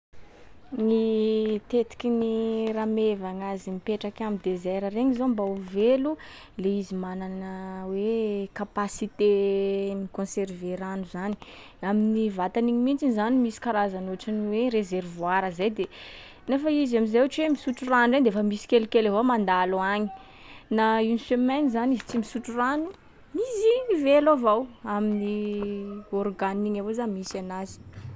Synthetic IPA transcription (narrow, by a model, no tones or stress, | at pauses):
nit̪et̪i̥kʲiniramevaŋazimipeʈ͡ʂakʲamid̪ezɛɾəreŋizombauvelu | leizimananəwekapasit̪emikõserveɾanuzani̥ | aminivat̪aniɲimint͡sinizanimisi̥kaɾazanuʈ͡ʂaniweɾezervwaɾəzejd̪e | nefaizamizeaʈ͡ʂwemisuʈ͡ʂuranend̪eefəmisi̥kʲelukeleɦoamand̪aluaɲi̥ | nainsemɛnizanizit͡simisuʈ͡ʂuranu | mizimivelavawamini | orɡaniɲavozamisanazi̥